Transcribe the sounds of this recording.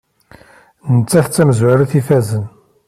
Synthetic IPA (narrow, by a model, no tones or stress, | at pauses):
nət͡sːæθt͡sːæməzwæɾæθifæzən